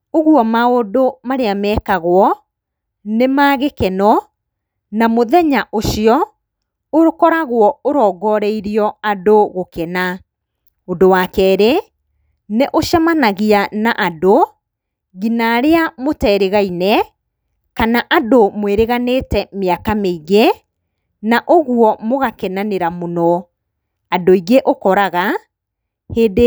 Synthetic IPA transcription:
oɣwɔmaodomaɾeamɛːkaɣwɔ | nemaːɣekɛnɔ | namoðɛɲaʔoʃiɔ | oɾokɔɾaɣwɔoɾɔːɡɔɾɛiɾiɔadoɣokɛna | ondowakɛɾe | neʔoʃamanaɣianaʔado | ɣinaɾeamotɛːɾeɣainɛ | kanaʔadomweɾeɣanetɛmeakameiɣe | naʔoɣwɔmoɣakɛnaneɾamonɔ | adoiɣeʔokɔɾaɣa | heːde

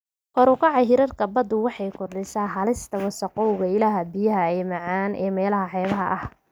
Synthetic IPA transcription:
kʰɔɾʊkʰɑʕɑɦɪɾɐrkʰɐbɐd̪ʊwɑħɑjkʰʊrɖɪsaːɦɐlɪst̪ʰɐwɐsɐqɔwɣɐɪlaːɦɐbɪjɐɦɐɛːmɑʕɑːnʔɛ̰ːmɛːlɐɦɐħɛːβɐɦɐ̰ʔɐh

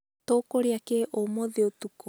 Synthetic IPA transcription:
tokoɾeakeʔomoðeotuko

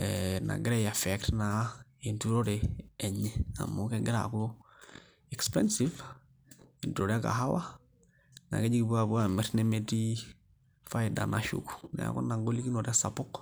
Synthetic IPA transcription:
ɛna̰ɡɪɾɛjafɛktnaintuɾoɾeːɲɛa̰mokɛɡɪɾa̰kulo | ɛkspɛnsiv | intuɾoɾaka̰ɦawa | na̰ɡɛd͡ʒiɡibuabuamɛɾnɛmeti | faida̰naʃṵku̥na̰ja̰kɔ̰naŋɡolikinoɾɛsapʊk

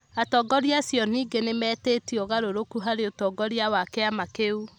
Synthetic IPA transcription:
atɔɡɔɾjasjɔniːɡenemɛtetiɔɣaɾoɾokuɦaɾeotɔɡɔɾjawakeamakeu

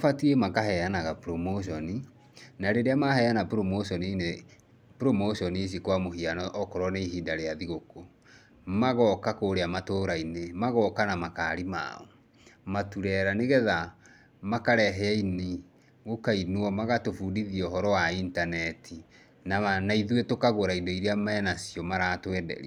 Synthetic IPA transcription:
afatiemakaɦɛanaɣapɾomoʃ̬ɔni | naɾeɾeamaɦɛanapɾomoʃɔnine | pɾomoʃɔnis̬ikwamoɦianɔʔɔkɔɾɔneiɦidaɾeaðiɣoko | maɣɔkakoːɾeamatoɾainemaɣɔkanamakaːɾima̰ɔ̰ | matuɾɛɾaneɣɛða | makaɾɛɦɛaini | ɣokainwɔmaɣatofudiðiɔɦɔɾɔwaintanɛtʰi | nanaiðuetokaɣoɾaidɔiɾeamaɛnasiɔmaɾaːtwɛdɛ̰ɾḭ

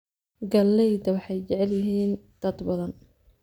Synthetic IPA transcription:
ɡɐlːɛjd̪ɐwɑħɑjt͡ʃɛʕɛljɪɦiːn | d̪̥ɐd̪bɐðɐn

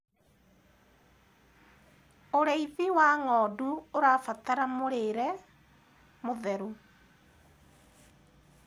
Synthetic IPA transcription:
oɾeiðiwaŋɔːduoɾafataɾamoɾeɾɛ | moðɛɾu

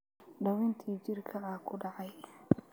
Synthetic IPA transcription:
ɖɐwʊnt̪ʰiːt͡ʃɪrkʰɐaːkʰʊɖɑʕɑj

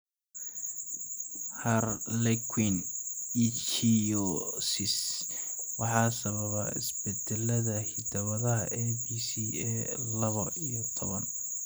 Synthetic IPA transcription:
hɐrlɛkʰwinit͡ʃt͡ʃʰijɔsɪs | wɑħɑːsɐβɐβɐ̰ɪ̰sbɛd̪ɛlɐðɐhɪd̪ɐwɐðɐɦɐ̰ʔɛbisiːɛlɐβɐijɔt̪ʰɔβɐn

